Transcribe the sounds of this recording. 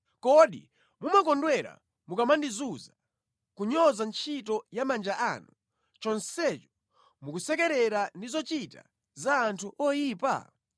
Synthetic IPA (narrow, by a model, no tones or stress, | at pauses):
kɔɗḭ | mumakɔndwɛɾa̰ | mukamandizuza | kuɲɔzant͡ʃʰitɔjamand͡ʒaʔanu | t͡ʃɔnsɛt͡ʃɔ̥ | mukusɛkɛɾɛɾandizɔt͡ʃita̰ | zaːntʰuʔɔjiːpa̰